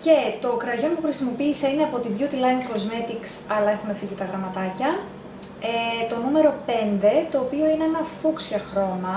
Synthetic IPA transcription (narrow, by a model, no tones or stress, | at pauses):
ce̞t̪o̞kɾɐʝo̞npuxɾisimo̞piːse̞ine̞ɐpo̞t̪iðʝut̪ilɐniko̞zme̞t̪iksɐlɐe̞xume̞fiʝit̪ɐɣɾɐmɐt̪ɐcɐ | et̪o̞nume̞ɾo̞pe̞nd̪e̞t̪o̞ːpio̞ineenɐfuksçɐxɾo̞mɐ